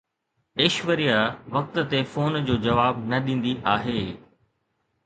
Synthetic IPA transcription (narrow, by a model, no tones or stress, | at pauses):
eːʃʋəɾijaʋɐk̚t̪̆t̪efoːnd͡ʑoːd͡ʑɐʋaːbnɐɗĩːn̆d̪iʔaːɦeː